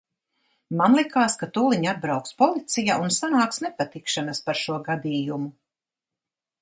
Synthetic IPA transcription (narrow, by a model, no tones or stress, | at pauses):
manlˠikaːskat̪uːlˠiɲad̪̚bɾawkspɔlˠit̪sijaʔunsanaːksnɛpat̪ikʃanaspaɾʃuɔɡad̪iːjumu